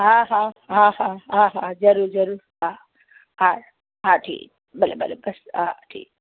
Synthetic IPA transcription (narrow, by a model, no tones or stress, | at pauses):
ɦaɦãɦãhaɦãɦãzɐɾuːɾzɐɾuɾ | a | ha | ɦaʈʰḭːk̚ | bɐlebɐlebɐsaʈʰḭːk̚